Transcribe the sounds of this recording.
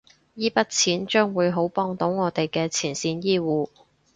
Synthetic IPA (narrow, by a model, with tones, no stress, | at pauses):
jiː˥pɐ˥t̚t͡sʰiː˨˥nt͡ʃœː˥ŋwuː˨˧jɦo˨˥wpɔː˧ŋt̪o˨˥wŋɔː˨˧t̪e˨jkɛː˧t͡sʰiː˨˩nsiː˨˥njiː˥wuː˨˧